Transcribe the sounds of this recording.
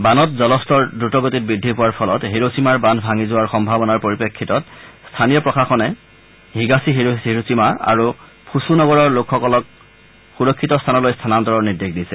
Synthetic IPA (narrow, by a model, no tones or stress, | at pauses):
banɔt̚zɔlɔstɔɹdutɔɡotit̚bɹidʱːipʊwaɹpʰɔlɔtɦeɹosimaɹbanbʱaŋizʊwaɹxɔmbʱabɔnaɹpoɹipɹekʰːitɔt̚stʰanijɔpɹɔkʰaxɔnɛ | ɦiɡasiɦeeɹusimaa̰ɹu | pʰusunɔɡɔɹɔɹlokʰxɔkɔlɔk̚ | xuɹɔkʰːitɔstʰanɔlojstʰanantɔɹɔɹnidekdisɛ